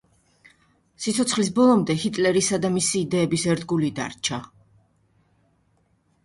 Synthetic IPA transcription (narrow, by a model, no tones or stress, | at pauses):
sit̪sʰɔt̪sʰχlis̬bɔlˠɔmd̪ɛhit̪ʼlɛɾisad̪amisiːd̪ɛːbisɛɾd̪ɡulid̪a̰ɾt͡ʃʰa